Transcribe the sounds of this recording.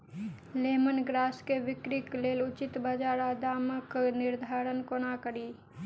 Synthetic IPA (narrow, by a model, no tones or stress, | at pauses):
leːmənɡɾaːskeʋɪkɾikleːlʊt͡ʃɪt̪bəd͡ʒaːɾaːd̪aːməknɪɾd̪ʱaːɾənkonakəɾiː